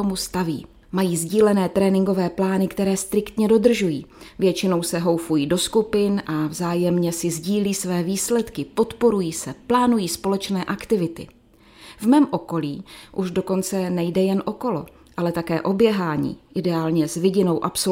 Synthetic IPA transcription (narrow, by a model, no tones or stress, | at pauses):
omust̪avḭː | majiːzɟiːlɛnɛːt̪ɾɛːnɪŋɡo̞vɛːplaːnɪkt̪ɛɾɛːst̪ɾɪkt̪ɲɛdo̞d̪r̩ʒujiːvjɛt͡ʃɪno̞wsɛɦo̞wfujiːdo̞skupɪnʔavzaːjɛmɲɛsɪzɟiːliːsvɛːviːslɛt̪kɪpo̞t̪po̞ɾujiːsɛplaːnujiːspo̞lɛt͡ʃnɛːʔakt̪ɪvɪt̪ɪ̰ | vmɛːmʔo̞ko̞liːʔuʒdo̞ko̞nt͡sɛnɛjdɛjɛnʔo̞ko̞lo̞̰ | ʔalɛt̪akɛːʔo̞bjɛɦaːɲḭːʔɪdɛaːlɲɛzvɪɟɪno̞wʔapso